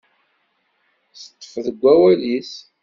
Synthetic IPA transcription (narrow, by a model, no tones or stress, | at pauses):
θə̥t̪ːə̥fðəɡʷːæwælis